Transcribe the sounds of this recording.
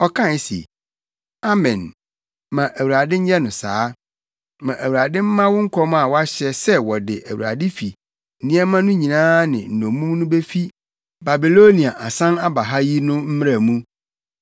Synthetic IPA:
ɔ˦kʰã˦˨˦sḛ˨ | a˦mɛ̃˨n | mã˨ʔæ˨wɾa˨dɪ̃˦ɲ̩˦jɛ˦nʊ̃˨saː˦ | mã˨ʔæ˨wu˨a˨dɪ̃˦m̩˦mã˦wʊ˦ŋ̩˦kʰɔ˦ma˨wɔ˦a˦ɕɛ˦sɛ˦wɔ˨dɪ˨ʔæ˨wu˨ɾa̰˨dɪ˦fi˨ | nĩ˦ɛ˦mã˦nʊ̃˦ɲĩ˨nãː˦nɪ̰̃˨n̩˨nõ˨mũ˦m˦nʊ̃˦be˦fi˦ | ba˨bi˨lo˦nĩ˨a˨ʔa˨sã˦na˦ba˨ɦa˦ji˦nʊ̃˦m̩˦m˦ɾa˨mũ˦

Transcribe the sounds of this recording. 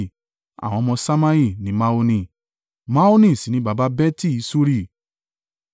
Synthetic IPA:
a̰˨w̃ɔ̃˧mɔ̃˧sa˦mã˦i˦˨nĩ˨˦ma˦o˧nĩ˧˨ | ma˦o˦nĩ˦˨si˨nĩ˨˦ba˨ba˦bɛ˦ti˦i˨˦so˦ɾi˦˨

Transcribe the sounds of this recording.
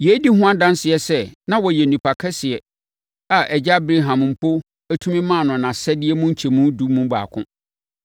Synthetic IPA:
je˨˦di˦hʊ̃˦ã˦dã˦nsɪ˨ɛ˨sɛ˦nã˦wɔ˨jɛ˨nũ˨pʰa˨kʰɛ˦sɪ˨ɛ˨ | a˨ʔɛ˨d͡ʑa˦bɾe˦ɦã˨m˨m̩˨pʰo˦ | æ˦tʰũ˦mĩ˦mã˦˨nʊ̃˨nã˨sɛ˦dɪ˦ɛ˦mũ˦ɲ̩˦t͡ɕʰe˨mũ˦du˦mũ˦ba̰ː˨kʰʊ̰̃˦

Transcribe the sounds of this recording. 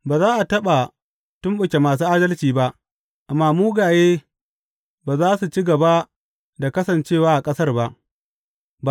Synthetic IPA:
baː˨zaː˦ʔa˨tɐ˦ɓa˨ | tʊ˦mɓʊ˨kʲe˨maː˨s̬uː˦ʔaː˦dɐ˦lt͡ʃiː˨ba˦ʔ | ʔa˨mːaː˦muː˦ɡaː˨jeː˦ | baː˨zaː˦su˨t͡ʃi˦ɡɐ˨ba˦ | da˨kɐ˦sɐ˨nt͡ʃeː˦˨waː˦ʔa˨kʼɐ˦sɐ˦rba˦ʔ | b

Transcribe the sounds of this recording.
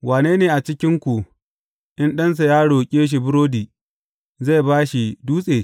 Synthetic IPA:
waː˨neː˦neː˨ʔa˨t͡ʃɪ˦kʲɪ˦ŋkʷu˨ | ʔɪ˦nɗɐ˦ns̬a˨jaː˦ɽoː˨kʲʼeː˦ʃ̬i˨bʊ˦ɾoː˦diː˨ | za˦˨jbaː˦ʃi˨duː˦sʼeː˨

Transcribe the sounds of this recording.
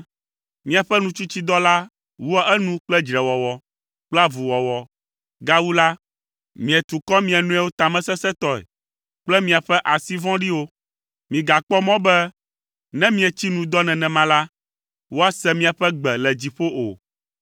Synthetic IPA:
mĩ˦a˨ɸɛ˦nũ˦t͡ʃu˦t͡ɕi˦d̪ɔ˦la˦ | wu˦ɛ˦ʔɛ˦nũ˦k͡plɛ˦d͡ʒɾɛ˨wɔ˨wɔ˦ | k͡pla˦vu˨wɔ˨wɔ˨ | ɡa˦wu˦la˦ | mĩ˨ɛ˨t̪u˨kɔ˦mĩ˦ɛ˨nũ˦ɛ˦wo˦t̪a˨mɛ̃˦sɛ˦sɛ˦t̪ɔ˦ɛ̰˨ | k͡plɛ˦mĩ˨a˨ɸɛ˦ʔa˨si˦vɔ̃˦ɖi˦wo˦ | mĩ˨ɡa˨k͡pɔ˦mɔ̃˦bɛ˦ | nɛ̃˦mĩ˦ɛ˨t͡ɕi˦nũ˨d̪ɔ˦nɛ̃˨nɛ̃˨mã˦la˦ | wo˦a˦sɛ˦mĩ˦a˨ɸɛ˦ɡ͡bɛ˨lɛ˨d͡ʑi˨ɸo˦ʔo̰˨

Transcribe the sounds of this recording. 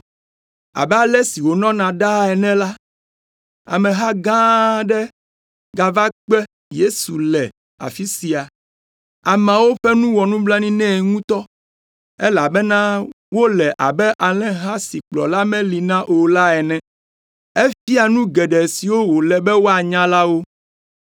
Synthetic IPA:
a̰˨bɛ˦a˨lɛ˦si˨wo˨nɔ̃˦nã˨ɖa˦ɛ˨nɛ̃˦la˦ | a̰˨mɛ̃˨ɦa˦ɡã˦ɖɛ˦ | ɡa˨va˦k͡pɛ˦ | je˦su˨lɛ˨ | a̰˨fi˦si˨a˨ | a˨mã˨wo˦ɸɛ˦nũ˦wɔ˨nũ˦bla˦nĩ˦nɛ̃˦˨ŋũ˦t̪ɔ˦ | ɛ˦la˨bɛ˦nã˦ | wo˦lɛ˨ʔa˨bɛ˦ʔa˨lɛ̃˦ɦa˦si˨k͡plɔ̰˨la˦mɛ̃˦li˨nã˦ʔo˨la˦ɛ˨nɛ̃˦ | e˦fi˦a˨nũ˦ɡɛ˨ɖɛ˨si˨wo˦wo˨lɛ˨bɛ˦wo˦a˨ɲã˦la˦wo˦

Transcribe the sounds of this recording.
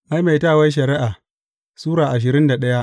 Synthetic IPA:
ma˦jma˨jtaː˦˨wa˦jʃ̬ɐ˨ɾɪ˦ʔa˨ | suː˦ɾaː˨ʔa˨ʃ̬ɪ˨ɾɪ˦nda˨ɗɐ˦ja˦ʔ

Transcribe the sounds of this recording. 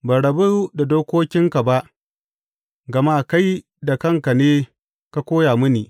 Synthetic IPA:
baː˨ɽɐ˨bu˦da˨doː˦kʷoː˦kʲɪ˦ŋka˨ba˦ʔ | ɡɐ˨ma˦˨ka˦j | da˨kɐ˦˨ŋka˨neː˦ | ka˦kʷoː˦jaː˨mʊ˦niː˨

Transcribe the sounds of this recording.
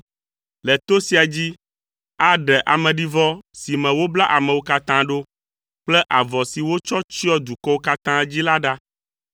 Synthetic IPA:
lɛ˨t̪o˦si˨a˨d͡ʑi˦ | a˦ɖɛ˨ʔa˨mɛ̃˨ɖi˦vɔ˦si˨mɛ̃˨wo˦bla˦ʔa˨mɛ̃˨wo˦ka˦t̪ã˦ɖo˦ | k͡plɛ˦ʔa˨vɔ˨si˨wo˦t͡ʃɔ˦t͡ʃɔ˦d̪u˨kɔ˦wo˦ka˦t̪ã˦d͡ʑi˦la˦ɖa˦

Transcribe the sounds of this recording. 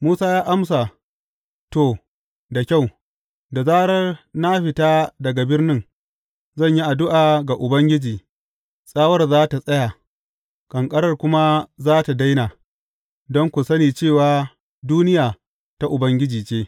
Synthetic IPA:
muː˦saː˦jaː˦ʔa˦ms̬a˨ | to˨ | da˨kʲa˦˨w | da˨zaː˦ɽɐ˦rna˦ɸɪ˨taː˦dɐ˨ɡa˨bɪ˦rnɪ˦ŋ | zɐ˦˨ɲji˦ʔa˨dʊ˦ʔaː˨ɡa˨ʔʊ˨bɐ˦ŋɡʲɪ˦d͡ʒiː˨ | sʼaː˦wɐ˦rzaː˦ta˨sʼɐ˦ja˨ | kʼɐ˨ŋkʼɐ˦ɾɐ˦rkʷʊ˦ma˦zaː˦ta˨da˦jna˨ | dɔ˦ŋkʷʊ˨sɐ˦niː˨t͡ʃeː˦˨waː˨ | duː˦nɪ˦jaː˨ | ta˦ʔʊ˨bɐ˦ŋɡʲɪ˦d͡ʒiː˨t͡ʃeː˦

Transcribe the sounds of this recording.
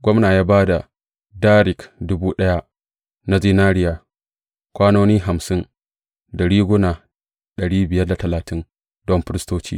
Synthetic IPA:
ɡʷɔ˦mnaː˨jaː˦baː˦da˨ | daː˦ɾɪ˨kdʊ˦buː˦ɗɐ˦ja˦ʔ | na˦ziː˦naː˦ɾɪ˦jaː˨ | kʷaː˦noː˦niː˦ɦa˨msɪ˦n | dɐ˨ɽiː˦ɡʷʊ˦naː˨ | ɗɐ˨ɽiː˦bɪ˨jɐ˦rda˨tɐ˨laː˨tʰɪ˦n | dɔ˦mɸɪ˦ɾɪ˦stoː˦t͡ʃḭː˦

